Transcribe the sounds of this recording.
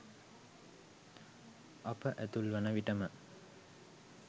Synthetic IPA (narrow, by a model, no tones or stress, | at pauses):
apəʔæt̪ulʋɐnəʋiʈəmə